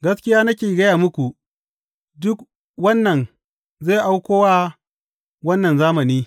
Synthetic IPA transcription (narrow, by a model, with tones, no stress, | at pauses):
ɡɐ˦skʲɪ˦jaː˦nɐ˦kʲeː˨ɡɐ˦jaː˨mʊ˦kʷu˨ | dʊ˦k | wɐ˦nːɐ˨n | ze˦˨ʔa˦wkʷoː˦wa˦ | wɐ˦nːɐ˨nzaː˦mɐ˨niː˦